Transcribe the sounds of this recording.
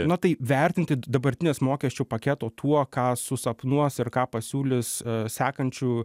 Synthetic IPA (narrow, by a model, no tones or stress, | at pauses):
nʊt̪ɐɪʋʲɛɾʲt̪ʲɪnʲt̪ʲɪd̪ɐbɐɾʲt̪ʲɪnʲeːsmoːkʲɛsʲt͡ʃʲʊːpɐkʲɛt̪oːt̪ʰuɔkɑːsʊsɐpnuɔsɪɾkɑːpɐsʲuːlʲɪssʲæːkɐnʲt͡ʃʲuː